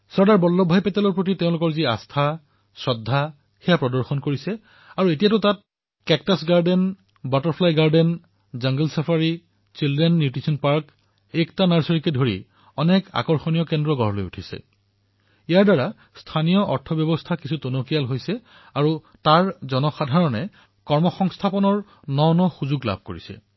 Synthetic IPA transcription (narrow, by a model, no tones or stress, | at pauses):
sɔɹdaɹbɔlːɔbʱajpɛtalɔɹpɹot̬iteɛʊ̃lʊkɔɹzia̰stʰa | sɹɔdʱːa | xɛjapɹɔdɔɹxɔnkoɹisɛ | aɹuetijatʊtat̚ | kɛk̚tasɡaɹden | bɔtɔɹpʰlajɡaɹdɛn | zaŋɡəlsapʰaɹi | t͡ʃildɹɛnːjutɹisɔnpaɹk | ɛktanaɹsɔɹikɛdʱoɹḭ | ɔnɛka̰kɔɹxonijɔkɛndɹɔɡɔɦɔlo̰jṵtʰisɛ̰ | ijaɹdaɹa | stʰanijɔʔɔɹtʰɔbjɔbɔstʰakisʰutonokialɦojsɛ | aɹu | taɹzɔnɔxadʱaɹɔnɛ | kɔɹmɔxɔŋstʰapɔnɔɹ | nɔwnɔxuzuɡla̰b̚ʱko̰ɹisɛ̰